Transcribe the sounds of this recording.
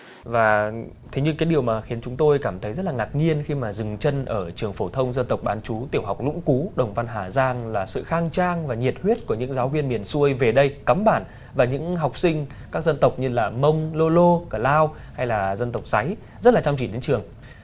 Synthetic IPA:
vaː˨˩ | t̪ʰe˨˦ɲɨ˧kaː˨˦jɗi˨˩əwmaː˨˩xi˨˦ənt͡ɕʊ˨˦ŋ͡mt̪o˧jkaː˧˩mt̪ʰə˨˦jzə˦˥t̚laː˨˩ŋaː˨˩k̚ɲi˧ənxi˧maː˨˩zɨ˨˩ŋt͡ɕə˧nʔəː˧˩t͡ɕɨ˨˩əŋfo˧˩t̪ʰə˧wŋ͡mzə˧nt̪ə˨˩wk͡p̚ɓaː˨˦nt͡ɕu˨˦t̪i˧˩əwɦa˨˩wk͡p̚lʊ̰˧˥ŋ͡mku˨˦ɗə˨˩wŋ͡mva˧nɦaː˧˩zaː˧ŋlaː˨˩sɨ̰˧˨xaː˧ŋt͡ɕaː˧ŋvaː˨˩ɲi˨˩ət̚hwi˦˥t̚ku˧˩əɲɨ̰˧˥ŋzaː˨˦wvi˧ənmi˨˩ənsu˧əjve˨˩ɗə˧jka˨˦mɓaː˧˩n | vaː˨˩ɲɨ̰˧˥ŋɦa˨˩wk͡p̚sï˧ŋ̟ | kaː˦˥k̚zə˧nt̪ə˨˩wk͡p̚ɲɨ˧laː˨˩mə˧wŋ͡mlo˧lo˧kə˧˩laː˧w | ha˧jlaː˨˩zə˧nt̪ə˨˩wk͡p̚za˨˦j | zə˦˥t̚laː˨t͡ɕa˧ŋ͡mt͡ɕḭ˧˩ɗe˨˦nt͡ɕɨ˨˩əŋ

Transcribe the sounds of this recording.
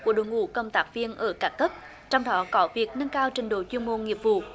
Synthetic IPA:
ku˧˩əɗo̰˨˧˨jŋṵ˧˥kə˧wŋ͡mt̪aː˦˥k̚vi˧ənʔəː˧˩kaː˦˥kːə˦˥p̚ | t͡ɕɔ˧wŋ͡mɗɔ˨˦kɔ˨˦vi˨˩ək̚nə˧nkaː˧wt͡ɕï˨˩ŋ̟ɗo̰˧˨˩t͡ɕi˧əŋmo˧ŋi˨˩əp̚vṵ˧˨

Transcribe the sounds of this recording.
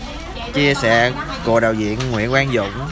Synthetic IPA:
t͡ɕi˧əsɛ̰ː˧˩˦ | ko̰˧˨˩ɗaː˨˩wzḭ˧˨ənŋwḭ˧˥ənʔwaː˧nzʊ̰˧˨ŋ͡m

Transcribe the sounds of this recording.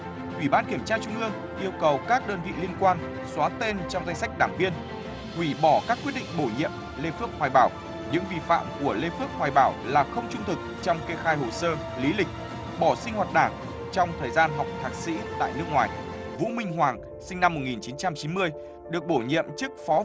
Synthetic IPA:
ʔi˧˩ɓaː˧nki˧˩əmt͡ɕaː˧t͡ɕʊ˧ŋ͡mʔɨ˧əŋ | ʔi˧əwkə˨˩wkaː˦˥k̚ɗəː˧nvḭ˧˨li˧ənkwaː˧n | swaː˨˦t̪e˧nt͡ɕɔ˧wŋ͡mza˧jŋsa˦˥jk̚ɗaː˧˩ŋvi˧ən | kwi˧˩ɓɔ˧˩kaː˦˥k̚ːwt̚ɗḭ˧˨ŋ̟ɓo˧˩ɲḭ˧˨əm | le˧fɨ˦˥ək̚hwaː˨˩jɓaː˧˩w | ɲɨ̰˧˥ŋvḭ˨˩fa̰ː˧˨mku˧˩əle˧fɨ˦˥əp̚hwaː˨˩jɓaː˧˩wlaː˨˩xə˧wŋ͡mt͡ɕʊ˧ŋ͡mt̪ʰɨ˨˩k̚t͡ɕɔ˧wŋ͡mke˧xaː˧jho˨˩səː˧ | li˨˦lï˨˩k̟̚ | ɓɔ˧˩sï˧ŋ̟hwaː˨˩t̚ɗaː˧˩ŋ | t͡ɕɔ˧wŋ͡mt̪ʰəː˨˩jzaː˧nɦɔ˨˩wk͡p̚t̪ʰaː˨˩k̚sḭ˧˥t̪a̰ː˧˨jnɨ˦˥ək̚ŋwaː˨˩j | vṵ˧˥mï˧ŋ̟ɦwaː˨˩ŋ | sï˧ŋ̟na˧mːo˨˩t̚ŋi˨˩nt͡ɕi˨˦nt͡ɕa˧mt͡ɕi˨˦nmɨ˧əj | ɗɨ˨˩ək̚ɓo˧˩ɲḭ˧˨əmt͡ɕɨ˦˥ək̚fɔ˨˦

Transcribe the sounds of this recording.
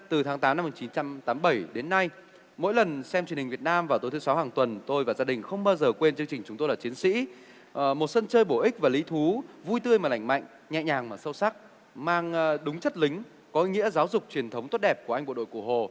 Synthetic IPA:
t̪ɨ˨˩t̪ʰaː˨˦ŋt̪aː˨˦mna˧mu˨˩t͡ɕi˨˦nt͡ɕa˧mt̪aː˨˦mɓə˧˩jɗe˨˦nːa˧j | mo̰˧˥jlə˨˩nsɛ˧mt͡ɕi˨˩ənhi˨˩ŋ̟vi˨˩ət̚naː˧mvaː˨˩t̪o˨˦jt̪ʰsa˨˦whaː˨˩ŋt̪wə˨˩nt̪o˧jvaː˨˩zaː˧ɗï˨˩ŋ̟xə˧wŋ͡mɓaː˧wzəː˨˩kwe˧nt͡ɕɨ˧əŋt͡ɕï˨˩ŋ̟t͡ɕʊ˨˦ŋ͡mt̪o˧jlaː˨˩t͡ɕi˨˦ənsḭ˧˥ | mo˨˩t̚sə˧nt͡ɕəː˧jɓo˧˩ʔï˦˥k̟̚vaː˨˩li˨˦t̪ʰu˨˦vu˧jt̪ɨ˧əjmaː˨˩la̰˧˩jŋ̟ma̰˧˨ŋ̟ | ɲɛ̰˧˨ɲaː˨˩ŋmaː˨˩sə˧wsa˦˥k̚ | maː˧ŋ˧ɗʊ˨˦ŋ͡mt͡ɕə˦˥t̚lï˨˦ŋ̟ | kɔ˨˦˧ŋḭ˧˥əzaː˨˦wzʊ˨˩k͡p̚t͡ɕwi˨˩ənt̪ʰə˨˦wŋ͡mt̪wt̚ɗɛ˨˩p̚ku˧˩əʔa˧j̟ɓo̰˧˨ɗo̰˧˨jku˧˩ɦo˨˩

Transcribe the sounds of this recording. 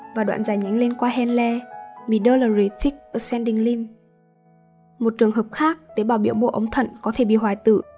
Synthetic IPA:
vaː˨˩ɗwa̰ː˧˨nzaː˨˩jɲa˨˦ŋ̟le˧nkwaː˧ɦɛ˧nlɛ˧mi˨˧˨ɗəː˧ləː˨˩ɹi˨˩t̪ʰi˦˥k̚ə˧˩sɛ˧nɗi˧˩ŋli˧m | mo˨˩t̚t͡ɕɨ˨˩əŋɦəː˨˩p̚xaː˦˥k̚t̪əː˨˦ɓaː˨˩wɓḭ˧˨əwɓo̰˧˨ʔə˨˦wŋ͡mt̪ʰə̰˧˨nkɔ˨˦t̪ʰe˧˩ɓḭ˧˨ɦwaː˨˩jt̪ɨ̰˧˨

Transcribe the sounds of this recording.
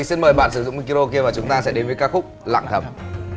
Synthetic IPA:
ŋsi˧nməː˨˩jɓa̰ː˧˨nsɨ˧˩zʊ̰˧˨ŋ͡mmi˧ki˧ɾo˧k̬i˧əvaː˨˩t͡ɕʊ˨˦ŋ͡mt̪aː˧sɛ̰˧˥ɗe˨˦nvəː˨˦jkaː˦˥k̚xʊ˦˥k͡p̚la̰ː˧˨ŋt̪ʰə˨˧˩m

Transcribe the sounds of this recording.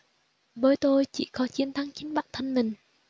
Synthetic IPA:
vəː˨˦jt̪o˧jt͡ɕi˧˩kɔ˨˦t͡ɕi˧˥ənt̪ʰa˨˦ŋt͡ɕï˨˦ŋ̟ɓa˦˥t̚t̪ʰə˧nmï˨˩ŋ̟

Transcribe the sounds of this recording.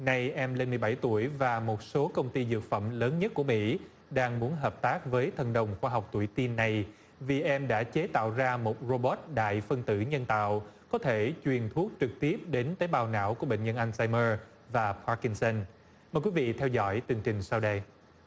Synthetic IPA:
na˨˩jʔɛ˧mle˧nmɨ˨˩əjɓa˧˩jt̪u˧˩əjvaː˨˩mo˨˩t̚so˨˦kə˧wŋ͡mt̪i˧zɨ̰˨˩ək̚fə˧˩mləː˨˦nɲə˦˥t̚ku˧˩əmḭ˧˥ | ɗaː˧ŋmu˨˦ənɦəː˨˩p̚t̪aː˦˥k̚vəː˨˦jt̪ʰə˨˩nɗə˨˩wŋ͡mxwaː˧ɦa˨˩wk͡p̚t̪u˧˩əjt̪i˧nːa˨˩j | vi˨˩ʔɛ˧mɗa̰ː˧˥t͡ɕe˨˦t̪a̰ː˧˨wzaː˧mo˨˩t̚zo˧ɓɔ˦˥t̚ɗa̰ː˧˨jfə˧ŋt̪ɨ̰˧˩ɲə˧nt̪a̰ː˧˨wkɔ˨˦t̪ʰe˧˩t͡ɕwi˨˩ənt̪ʰu˦˥ək̚t͡ɕɨ˨˩k̚t̪i˦˥əp̚ɗe˨˦nt̪əː˨˦jɓaː˨˩wna̰ː˧˥wku˧˩əɓḛ˧˨ŋ̟ɲə˧nʔa˧ŋsaː˧jməː˧ | vaː˨˩pʰa˧˥ki˧nsə˧n | məː˨˩jkwi˨˦vḭ˧˨t̪ʰɛ˧wzɔ̰˧˥jt̪ɨ˨˩əŋt͡ɕï˨˩ŋ̟saː˧wɗə˧j

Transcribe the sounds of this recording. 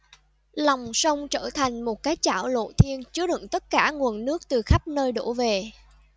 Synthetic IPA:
lɔ˨˩wŋ͡msə˧wŋ͡mt͡ɕəː˧˩t̪ʰa˨˩jŋ̟mo˨˩t̚kaː˨˦jt͡ɕaː˧˩wlo̰˧˨t̪ʰi˧ənt͡ɕɨ˨˦əɗɨ̰˧˨ŋt̪ə˦˥t̚kaː˧˩ŋu˨˩ənːɨ˦˥ək̚t̪ɨ˨˩xa˦˥p̚nəː˧jɗo˧˩ve˨˩

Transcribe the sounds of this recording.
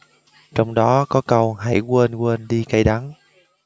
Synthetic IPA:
t͡ɕɔ˧wŋ͡mɗɔ˨˦kɔ˨˦kə˧wha̰˧˩jkweː˧nkwe˧nɗi˧ka˧jɗa˨˦n

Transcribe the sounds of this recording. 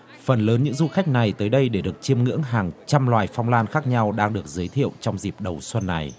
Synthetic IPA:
fə˨˩nləː˨˦nɲɨ̰˧˥ŋzu˧xa˦˥jk̟̚na˨˩jt̪əː˨˦jɗə˧jɗe˧˩ɗɨ˨˩ək̚t͡ɕi˧əmŋɨ̰˧˥əŋɦaː˨˩ŋt͡ɕa˧mlwaː˨˩jfɔ˧wŋ͡mlaː˧nxaː˦˥k̚ɲa˧wɗaː˧ŋɗɨ˨˩ək̚zəː˨˦jt̪ʰḭ˧˨ə˨wt͡ɕɔ˧wŋ͡mzi˨˩p̚ɗə˨˩wswə˧nːa˨˩j

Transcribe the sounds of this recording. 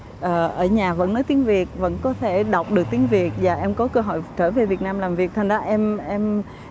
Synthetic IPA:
ʔəː˨˩ʔəː˧˩ɲaː˨˩və̰˧˥nːɔ˨˦jt̪i˨˦ənvi˨˩ət̚və̰˧˥nkɔ˨˦t̪ʰe˧˩ɗa˨˩wk͡p̚ɗɨ˨˩ək̚t̪i˨˦ənvi˨˩ət̚vaː˨˩ʔɛ˧mkɔ˨˦kəː˧ɦɔ̰˧˨jt͡ɕəː˧˩ve˨˩vət̚naː˧mlaː˨˩mvi˨˩ət̪ʰŋzaː˨˦ʔɛ˧mʔɛ˧m

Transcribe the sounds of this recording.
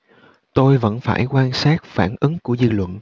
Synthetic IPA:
t̪o˧jvə̰˧˥nfaː˧˩jkwaː˧nsaː˦˥t̚faː˧˩nʔɨ˨˦ŋku˧˩əzɨ˧lwə̰˧˨n

